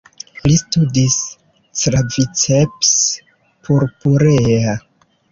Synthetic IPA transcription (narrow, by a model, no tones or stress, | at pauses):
listudis | tɾavit͡seps | pʰuɾpuɾea